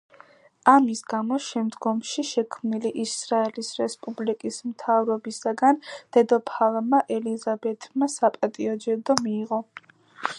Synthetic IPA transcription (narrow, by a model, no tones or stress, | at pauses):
amisɡamɔʃɛmd̪ɡɔmʃiʃɛkʰmniliʔisɾaɛlisɾɛspʼublikʼismt̪ʰavɾɔbisaɡand̪̥ɛd̪ɔpʰalˠamaʔɛlizabɛt̪ʰmasapʼat̪ʼiɔd͡ʒɛd̪ɔmiːʁɔ